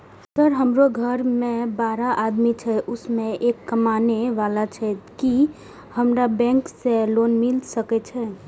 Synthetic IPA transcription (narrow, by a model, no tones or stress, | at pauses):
t̪əɾɦəmɾoɡʱəɾmẽbaːɾaʔad̪mit͡ʃʰɛʔʊsmẽekːəmaneʋalat͡ʃʰɛki | həmɾabɛ̃ŋkseloːnmɪlsəkɛt͡ʃʰɛ